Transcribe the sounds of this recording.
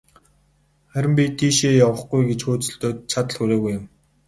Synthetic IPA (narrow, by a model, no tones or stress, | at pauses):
χæɾʲɪ̆mpʲit̪ʰiːʃeːjawə̆χɡujɡet͡ɕxoːt͡sɵ̆ɬt̪oːt̪̚t͡ɕʰat̪ə̆ɮxuɾeːɣujʊm